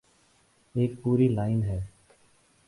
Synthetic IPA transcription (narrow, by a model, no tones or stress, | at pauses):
eːk̚puːɾiːlaːɪnɦɛː